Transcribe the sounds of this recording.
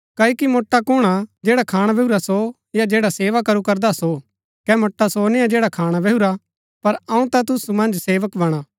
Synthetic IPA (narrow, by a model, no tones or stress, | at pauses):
kɐːikimoːʈːakʊɽ̃ad͡ʒeːɽakʰaːɽ̃abʱɛɦuɾaso | jad͡ʒeːɽaseːʋakɐɾukɐɾd̪aso | kɛmoːʈːasoːnɪjad͡ʒeːɽakʰaːɽ̃abʱɛɦuɾa | pɐɾɐũt̪at̪̬ʊsumɐ̃nd͡ʒseːʋəkbɐɽ̃aː